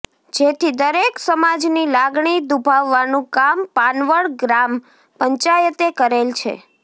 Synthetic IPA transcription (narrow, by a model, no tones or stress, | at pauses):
d͡ʒet̪ʰid̪əɾeksəmad͡ʒnilaɡɳ̃id̪ubʱaʋːanũkampanʋəɭɡɾam | pəɲt͡ʃajət̪ekəɾelt͡ʃʰḛ